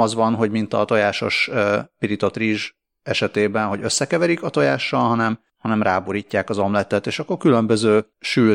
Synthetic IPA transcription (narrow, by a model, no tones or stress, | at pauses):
ɒzʋɒnɦo̞ɟmint̪ɒ̰t̪o̞jaːʃo̞̰ʃpiɾit̪o̞t̪riːʒ | ɛʃɛt̪eːbɛnɦo̞ɟøsːɛkɛvɛɾikɒt̪o̞jaːʃːɒlɦɒnɛm | hɒnɛmraːboɾiːcːaːkɒzomlɛt̪ɛt̪eːʃɒkːo̞rkylø̞mbøzøː | ʃyː